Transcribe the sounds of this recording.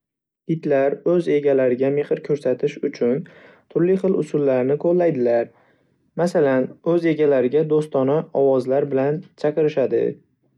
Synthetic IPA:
ɪt̪laɾɵze̞ɡʲalaɾɪɡʲame̞χɪɾkʲʰɵɾsat̪ʰɪʃʊt͡ʃʰʊn | t̪ʰʊɾlɪjχɨlʊ̰sʊlːaɾnɪqʰolˠːajd̪ɪlaɾ | masalanɵze̞ɡʲalaɾɪɡʲad̪ost̪ɒnaɒwɒzlaɾbɪlant͡ʃʰakɪɾɪʃad̪ɪ̰

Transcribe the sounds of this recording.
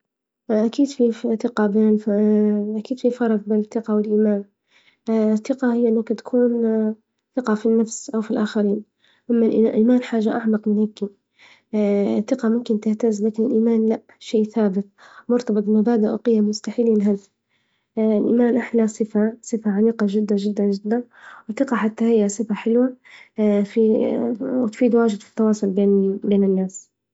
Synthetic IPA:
ʔakiːd̪fiθɪqɑbeːnɪl | ʔakiːd̪̥fifɑɾˤfbeːnɪθːɪqawɪlʔiːmaːn | θːɪqɑhɪjːʔɪnːʊkat̪ḁkʰuːn | θɪqɑfinːafsʔawfilʔaːxaɾiːn | ʔamːalʔʔiːmaːnħaːʒːaʔaʕmɑqmɪnhaɡːi | θːɪqɑmʊmkɪnt̪ɪht̪azlaːkɪnɪlʔiːmaːnlaʔ | ʃeːθaːbɪt̪̚mʊɾt̪ɑbɨt̪ˤbmabaːd̪ɪʔa̰qɪjːammʊst̪aħiːliːnɦaz | ɪlʔḭːmaːnʔaħlasˤɨfasˤɨfaʕamiːqɑʒɪd̪ːaʒɪd̪ːand͡ʒɪd̪ːan | wɪθɪqɑħat̪ːahɪjːasˤɨfaħɪlwa | fi | wɪt̪fiːd̪waːʒɪd̪fi̥t̪ːɑwɑːsˤʊlbeːnbeːnɪnːaːs

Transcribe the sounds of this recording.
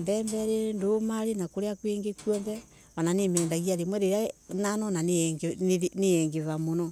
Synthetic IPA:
mbɛːmbɛɾendomaɾenakoɾeakweːŋɡekuɔndɛ | βananemɛːndaɣiaɾemwɛɾeɾananɔnanɡneɛŋɡeβamonɔ

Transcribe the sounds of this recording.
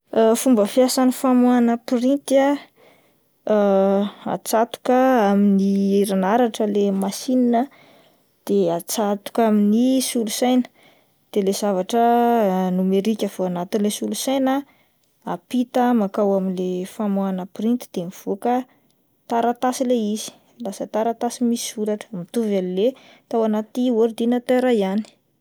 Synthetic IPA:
fumbəfjasanifamuanəprint̪ia | a̰t͡sat̪u̥kəaminiɾanaɾaʈ͡ʂəlemasininə | d̪̥eat͡sat̪u̥kaminisulusajnə̥ | d̪̥elez̥avaʈ͡ʂənumeɾikʲəv̥oanat̪inlesulusajnə | apit̪əmakawaminlefamoanəpɾint̪i̥d̪̥emiv̥okə | t̪aɾat̪asileizi̥ | lasət̪aɾat̪asimisiuɾaʈ͡ʂə̥mit̪uvalilet̪awanat̪ioɾid̪inət̪eɾaiani̥

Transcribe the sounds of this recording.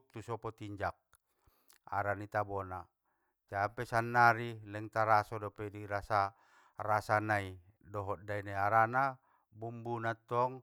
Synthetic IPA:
t̪usɔpɔt̪iɲd͡ʒak̚ | a̰ɾanit̪abɔna | t͡ʃapɛsanːaɾilɛŋt̪aɾasɔdɔpɛdiɾasa | rasanai | dɔɦɔt̪̚dainaaɾana | bumbunat̪ɔŋ

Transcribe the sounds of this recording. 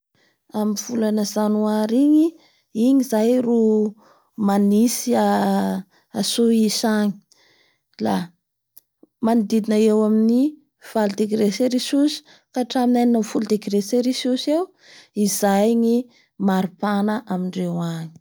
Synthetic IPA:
amiv̥ulanəzanuaɾiɲi | iɲizajru | manisia | asoisaɲi̥ | la | manid̪id̪inəewamini | v̥ald̪ekiɾeseɾisusi̥ | kaʈ͡ʂaminajninəmfuld̪ekiɾeseɾisusew | izajɲi | maɾipanəʔamiɳɖ͡ʐewaɲi̥

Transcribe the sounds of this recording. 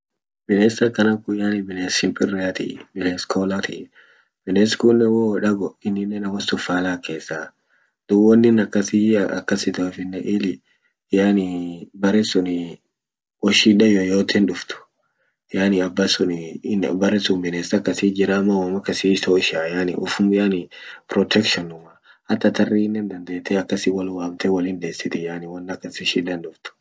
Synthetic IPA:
bɪneːsɐkːɐnɐkʊjanɪbɪnesɪmpʼɪɾɪat̪ɪ̰bɪneskʰoːlat̪ʰɪ̰ | b̥ɪnɛskunːɛwoᶑɐɡɔɪnːɪnːɛnɐwɐst̪ʊfaːlaːke̞ːsːa | d̪̥ʊwɔnːɪnɐkːɐsiɐ̰kːɐsɪt̪ɐfɪnːɛʔɪːlɪ | jaːnɪbɐɾɛsʊnɪ | wɔʃiᶑɐjojoːt̪ʰɛnᶑʊft̪ʊ̥ | janɪɐbːɐsʊnɪnbɐɾɛsʊmbɪneːsɐkːɐsiːd͡ʒɪɾamɐwamɐkːɐsit̪ɔʃaːjanɪʔʊfʊmjanɪpɾɔt̪ʰɛkʃɔnʊmɐ | hɐt̪ːɐt̪ɐrːinːɛnd̪ɐnd̪eːt̪ːɛɐkːɐsɪwɐlwaːbt̪ɛwɐlɪnd̪eːsːɪt̪ɪjanɪwɐnːɐkːɐsɪʃiᶑɐnᶑʊft̪ʊ̥

